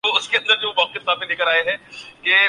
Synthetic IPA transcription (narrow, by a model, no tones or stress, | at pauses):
oʊskeɐ̃nd̪əɾd͡ʒobɐkkɪɦɪsaːb̚mẽleːkəɾaːeɦɛ̃ke